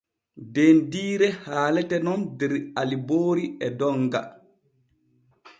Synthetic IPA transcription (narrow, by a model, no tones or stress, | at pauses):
dendiːɾɛhaːlɛtɛnɔndɛɾaliboːɾiɛdɔŋɡa̰